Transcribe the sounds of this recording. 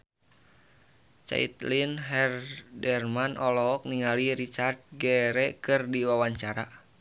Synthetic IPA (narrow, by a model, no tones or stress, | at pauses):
t͡ʃa̰ḭt̪linɦɛrdɛrmanʔɔlɔɔk̚niŋaliɾit͡ʃart̪̚ɡɛɾɛkɨrdiwawaɲt͡ʃaɾa̰